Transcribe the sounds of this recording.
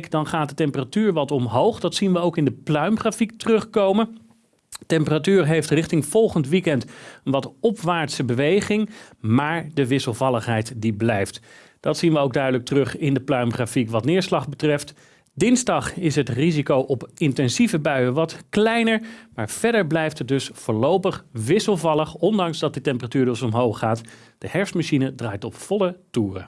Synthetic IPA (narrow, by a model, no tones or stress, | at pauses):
kdɑnχaːt̚dətɛmpəratyːɹʋɑtɔmɦowχdɑtsinʋəowkɪndəplœɥmχraːfik̚tərɵχkowmən | tɛmpəratyːɹɦejftrɪχtɪŋv̥ɔlˠχəntʋikɛntənʋɑtɔpʋaːɹtsəbəʋejχɪŋmaːɹdəʋɪsəlˠvɑlˠəχɦɛjtdiblɛjft | d̥ɑtsinʋəowɡ̚dœɥdələk̚tərɵχɪndəplœɥmχafikʋɑtnɪːɹslɑχbətrɛft | dɪnzdɑχɪsɦətrizikowʔɔpɪntɛnzivəbœɥəʋɑtklɛjnəɹmaːɹv̥ɛɹdəɹblɛjftət̚dɵsfʊːɹlowpəχʋɪsəlˠvɑləχɔndɑŋzdɑt̚dətɛmpəratyːɹdɔsɔmɦowχaːt | d̥əhɛɹfsmaʃinədraːjtɔpfɔlətuːrə̰